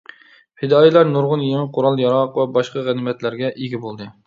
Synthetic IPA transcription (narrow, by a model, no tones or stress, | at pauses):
hɪd̪ɑːjelˠɑɾnoɾʁʊnjemɪqʰoɾɑlˠjɑɾɑqvɛbɑʃqɑʁænɪmɛt̪læɾɡʲɛʔiɡʲibolˠd̪ɨ